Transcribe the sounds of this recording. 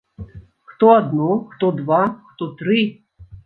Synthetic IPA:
xt̪ɔad̪nɔxt̪ɔd̪vaxt̪ɔt̪ɾɨ

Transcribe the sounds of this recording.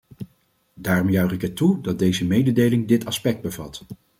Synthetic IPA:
daːrɔmjœɥχɪkətudɑt̚dejzəmejdədejlɪŋdɪtɑspɛk̚d̚bəvɑ̰t

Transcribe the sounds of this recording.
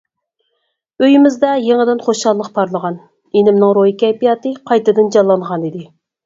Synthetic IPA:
øjimɪzd̪ɛjeŋəd̪ɪnχoʃɑlˠːəqpʰɑɾlˠəʁɑn | enɪmnɪŋɾojikʲɛjpijɑːt̪ɨqʰɑjt̪ɨd̪ɨnd͡ʒɑlˠːɑɴʁɑnid̪ɪ

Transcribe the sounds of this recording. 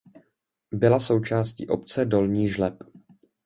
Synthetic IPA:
bɪlaso̞wt͡ʃaːscḭːʔo̞p̚t͡sɛdo̞lɲiːʒlɛp

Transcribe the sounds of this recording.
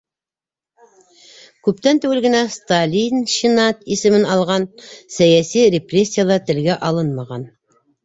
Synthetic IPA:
kʉpt̪ænt̪ʉwɘ̆lɡɘ̆næst̪alʲinʃinɑt̪isɘ̆mɘnɑlˠʁɑnsæjæsiɾʲɪprʲesʲːijalˠɑt̪ɘ̆lɡæʔɑlˠɤnmɑʁɑn

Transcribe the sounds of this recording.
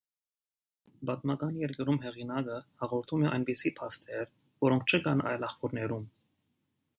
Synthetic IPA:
bɑt̪mɑkɑnjɛɾkəɾumɦɛʁinɑkəhɑʁɔɾt̪ʰumɛʔɑjnbisipʰɑst̪ʰɛɾ | vɔɾɔŋk̚ʰt͡ʃʰəɡɑnɑ̰jlɑχpuɾnɛɾum

